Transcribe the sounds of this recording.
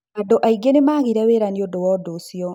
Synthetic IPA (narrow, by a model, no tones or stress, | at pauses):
adoʔaiɡenemaːɣiɾɛweɾaniodowɔːdosjɔ